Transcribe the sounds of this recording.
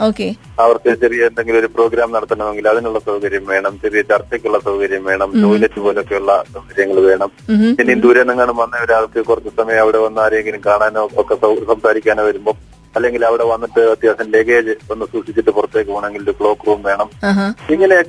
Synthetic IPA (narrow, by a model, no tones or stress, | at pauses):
oːke | ɐʋɐrkɨt͡ɕerijɐend̪e̞ŋɡilo̞ɾupro̞ːɡɾaːmnɐɽɐt̪ːuɳːɐʋeŋɡilɐðinuɭːɐsɐwkɐɾjɐmʋe̞ːɳɐmt͡ɕɐrijɐt͡ɕːɐrt̪ːeːkʲːuɭːɐsɐwkɐɾjɐmʋe̞ːɳɐmt͡ɕo̞ːjiletːɨpo̞ːle̞okːe̞uɭːɐsɐwkɐɾijɐŋːɐɭʋe̞ːɳɐmpinːind̪uːɾenːɐŋːeɳɐmʋɐnːɐjoɾaːɐrkːɨkurɐt̪t͡ɕːɨsɐmɐjɐmɐʋiɽeʋɐnːaːɾijeŋɡilmkaːɳaːnokːesɐsɐmsaːɾikʲːaːnʋɐɾumbo̞ː | ɐlːe̞ŋɡilɐʋiɽe̞ʋɐnːiʈːɨɐt̪jaːsɐmleːɡeːd͡ʑɨo̞nːɨsuːʂit͡ɕːiʈːɨpurɐt̪ːe̞ːkːɨpuːɳe̞ŋɡiloɾukɭoːkruːmʋe̞ːɳɐmaɦiŋːɐne